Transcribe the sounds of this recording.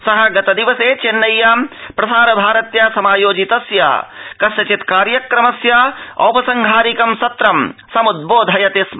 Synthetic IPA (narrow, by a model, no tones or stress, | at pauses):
sɐɦɐɡɐt̪ɐd̪iʋɐseːt͡ʃenːɐjːaːmpɾɐsaːɾɐbʱaːɾɐt̪jaːsɐmaːjoːd͡ʒit̪ɐsja̰ːkɐsjɐt͡ʃit̪kaːɾjɐkɾɐmɐsjaːɐ̰wpɐsɐŋɡʱaːɾikɐmsɐt̪ɾɐmsɐmud̪̚boːd̪ʱɐjɐt̪es